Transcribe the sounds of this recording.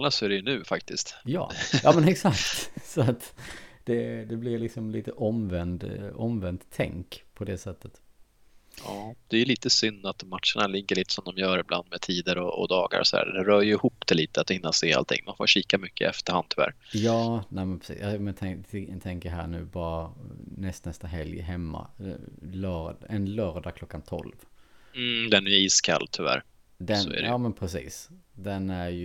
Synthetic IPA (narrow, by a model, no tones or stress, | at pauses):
nasɔæɖɛjɵnʉ̟ːfakt̪ɪst̪jɑ̰ːjɑːmɛnɛksakt̪sɔat̪d̪̥ɛd̪ɛblɪvlɪksɔmliːt̪əʔɔmvɛnd̪ɔmvɛnt̪ʰːɛ̰ŋkpʰɔd̪ɛsɛt̪ːət̪ | ɑːd̪̥ɛjʏliːt̪əsʏnːat̪mat̪ʂəɳalɪŋɡəɭiːt̪ə̥sɔmd̪ɔmjœːɾɪblʔa̰nd̪mɛt̪ʰiːd̪əɾɔɔ̰d̪ɑːɡa̰ɾɔ̰sɔd̪æ̰ːdɛɾœːjɵɪhuːpːd̪̥ɛliːt̪əat̪hɪnːaseːa̰lt̪ʰɪ̰ŋːmanfo̰ɕiːkamʏkːə̰ɛ̰ft̪əɾhand̪̚t̪ʰʏvæ̰ːɾjɑːnæmɛnpʰɾɛ̥sḭːjɑmɛnt̪ʰɛt̪ʰɛŋkəɦæ̰ːɳʉ̟̰ːbɑːɾanɛst̪nɛst̪aɦɛljɦɛmːa̰lœɛnlœːɾd̪akʰlɔkːant̪ʰɔ̰lvm̩d̪ɛnɛjiːskʰa̰lːt̪ʰɵvæ̰ːɾ | d̪ɛsɔæ̰ɛɑːmɛnpʰɾɛsḭːsd̪ɛnæɾj